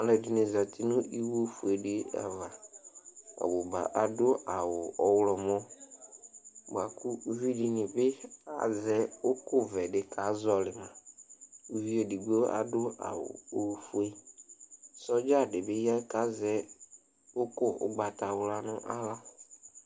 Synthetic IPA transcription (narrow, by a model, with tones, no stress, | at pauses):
a˨lɛ˨dɪ˨nɪ̃˨za˨t̪ʰɪ˦nʊ̃˦i˦wo˦fu˨e˨dɪ˦a̰˨va˨ | a̰˨wʊ˨ba̰˨ʔa˨dʊ˦a˨wʊ˨ɔ˨wlɔ˨mɔ̃˦ | bʊ˨a˨ku˦vi˦di˨nɪ̃˨bɪ˦a̰˨zɛ˦ʊ˦kʊ˦vɛ˨ɖɪ˨kʰa˨˦zɔ˦lɪ˨mã˨ | u˨vi˦ɛ˨di˨ɡ͡bo˦a̰˨dʊ˦a̰˨wʊ̰˨o˨˦fu˦e˦ | sɔ˦d͡ʒa˦˨dɪ˨bɪ˦ja˦ka˨˦zɛ˦ | ʊ˦kʊ˦ʊ̰˦˨ɡ͡ba˨t̪a˨wʊ˦la˨nʊ̃˦ʔa̰˦la˦˨